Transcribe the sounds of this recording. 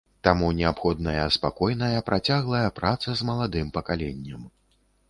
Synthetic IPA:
t̪amunʲɛapxɔd̪nɐjɐspakɔjnɐjɐpɾʔat͡sʲaɣlˠɐjɐpɾat̪sɐzmɐlˠad̪ɨmpɐkalʲɛnʲːɐm

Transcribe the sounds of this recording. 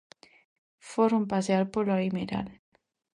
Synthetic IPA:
foɾompaseaɾpoɾlaimeɾa̰l

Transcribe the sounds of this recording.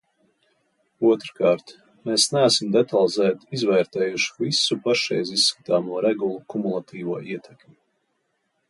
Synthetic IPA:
uɔt̪ɾkɑːɾt̪ | meːsnæːsimd̪ɛt̪alˠzæːt̪izvɛːɾt̪ɛːjuʃu̥visupaʃɛ̰jziisːkḁt̪aːmuɔɾɛɡulˠukumulˠat̪ʰiːvuɔʔiɛt̪ʰɛkmʲi

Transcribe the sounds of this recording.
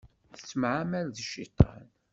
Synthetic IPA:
θə̥sːmʕamælðəʃit̪ˤːɑ̰n

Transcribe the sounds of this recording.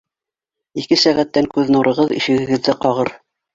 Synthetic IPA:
ikɘsæʁæt̪ːæŋkʉðnuɾʔɤ̆ʁɤðḭʃɘ̆ɡɘ̆ɡɘ̆ðːɘqɑʁɤɾ

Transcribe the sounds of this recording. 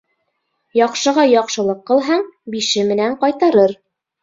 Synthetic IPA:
jɑqʃɤ̆ʁɑjɑqʃɤ̆lˠɤqːɤ̆lˠɦɑɴbiʃɘmɘ̆næɴqɑjt̪ɑɾɤɾ

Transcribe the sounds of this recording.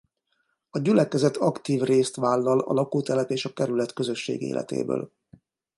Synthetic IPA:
ɒɟylɛkɛzɛt̪ʰːɒkt̪iːvreːst̪ʋaːlːɒlɒ̰lɒkuːt̪ɛlɛt̪eːʃɒkɛɾylɛt̪kø̞zø̞ʃːḛːɡḛːlʔɛ̰t̪ḛːbø̰ːl

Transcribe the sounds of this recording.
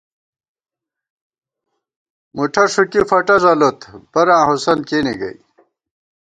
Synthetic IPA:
muʈʰɐʂukifɐʈɐzɐlot̪bɐɾãːɦosɐnkeːniɡɐ̰j

